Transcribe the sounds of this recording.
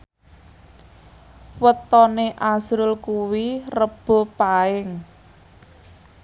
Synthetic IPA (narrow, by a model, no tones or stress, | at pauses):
wət̪ɔneʔazɾʊlkuwirəb̥ɔ̤paɪŋ